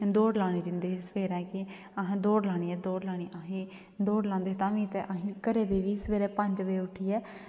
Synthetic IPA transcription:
d̪oːɽlaːɽ̃iːd͡ʒ̪ɪnd̪eːsəʋeːɾɛ̃ːkɪ | əɦãːd̪oːɽlaːɽ̃iːɛːd̪oːɽlaːɽ̃iːʔəɦẽː | d̪oːɽlãːnd̪eːɦt̪ãːʋĩːt̪ɛʔəɦĩːkəɾeːd̪eːʋiːsʋeːɾɛːpə̃ɲd͡ʒʋeːʊʈʰːiːɛː

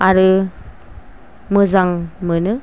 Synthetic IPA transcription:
aɾɯ | mɯzaŋmɯnɯ

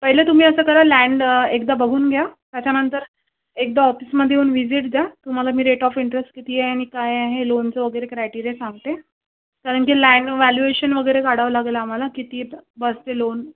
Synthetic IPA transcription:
pəɦilet̪um̤iːəsəːkəɾalæ̃ɳɖekd̪abəɡʱuːnɡʱjat̪jat͡ɕanənt̪əɾ | ek̚d̪aɔfisməd̪ʱːjeuːnʋid͡ziʈ̚d͡z̪jat̪um̤alamiːɾeʈɔfiɳʈɾesʈkit̪iaɦaɽ̃ikajaɦelont͡səʋəɡəjɾekɾajʈiɾesãŋɡ̚t̪e | kaɾəɳkiːlæɳɖʋæljueɕənʋəɡəjɾekaɽ̤aʋlaɡelaːm̤alakit̪iːbəst̪elon

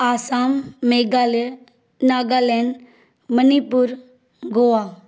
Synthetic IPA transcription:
aːsaːmːeɡal | naːɡaleɳ | mənipuɾ | ɡoa

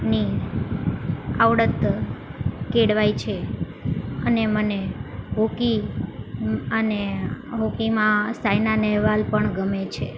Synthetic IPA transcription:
ni | aʋɽət̪ | keɽʋait͡ʃʰe | əneməneɦoki | əneɦokimãsajnanɛɦʋalpəɳɡəmet͡ʃʰḛ

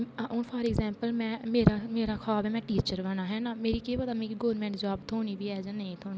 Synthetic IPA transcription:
onpʰɔːɾɪːɡzɛ̃ːmpəlmɛ̃ːmeːɾaːmeːɾaːkʰaːbɛːmɛ̃ːʈiːt͡ʃəɾʋənaːɦɛːnaːmeːɾiːkeːpəd̪aːmɛ̃ːkːɡoːɾmɛ̃ːɳʈd͡ʒaːbt̪ʰoːniːbiːɛːd͡ʒənəĩt̪ʰoːni

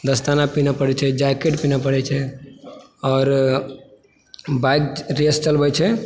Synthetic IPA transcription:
d̪əst̪anapinapəɽɛt͡ʃʰɛd͡ʒakeʈpinapəɽɛt͡ʃʰɛ | ɔːɾ | bakɾest͡ʃəlbɛt͡ʃʰɛ

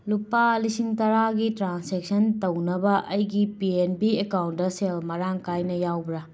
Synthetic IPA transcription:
lupalisiŋtɐɾaɡitɾansek̚sɐntownɐbɐʔɐjɡipienpiekawntdɐselmɐɾaŋkajnɐjawbɾa

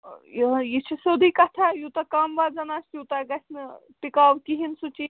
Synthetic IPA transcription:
jjit͡ʃʰisod̪ʱiːkat̪ʰajut̪akaːmʋaːd͡zɐnaːst̪jiut̪aɡɐsʲnɨ | pikaːʋkiɦinsut͡ʃi

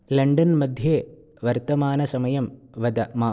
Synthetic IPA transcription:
lɐɳɖɐnmɐd̪ʱjeː | ʋɐɾt̪ɐmaːnɐsɐmɐjɐmʋɐd̪ɐmaː

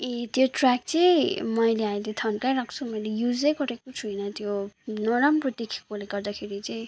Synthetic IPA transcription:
et̪joʈrak̚t͡sʌjmʌjleamilet̪ʰʌnkajɾakʰt͡sʰumʌjlejud͡zʌjkʌɾekot͡sʰujnʌt̪jonʌɾamprʌt̪ikʰi̥koleɡʌrd̪akʰeɾit͡sʌj̃

